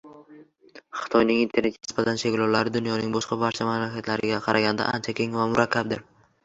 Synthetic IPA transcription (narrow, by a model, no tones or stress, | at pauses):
χɨ̥t̪ʰɒjnɪŋint̪ʰe̞ɾne̥nɪsbat̪ʰanʃeɡʲlɒwlaɾɪd̪ʊnjɒnɪŋbɒʃqɑbaɾt͡ʃʰamamlakʲat̪ʰlaɾɪɡʲaqʰɑɾʔaɡʲand̪a̰ʔant͡ʃʰakʲʰe̞ŋvamʊɾakʲʰːab̚d̪ɪɾ